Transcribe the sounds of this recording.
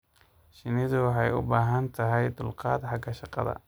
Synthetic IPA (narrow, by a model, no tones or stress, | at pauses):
ʃɪnɪðʊwɑħɑjʊbaːɦɐnt̪ʰɐɦɛjd̪ʊlqɑːd̪ħɑɡɐʃɑqɑ̰ðɐ̰